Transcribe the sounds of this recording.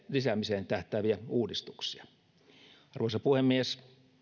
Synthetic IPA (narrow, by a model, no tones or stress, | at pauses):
lisæmiseːnt̪æht̪æʋiæuːdist̪u̥ksiɑ̥ | ɑrʋoˑisɑpuhemːies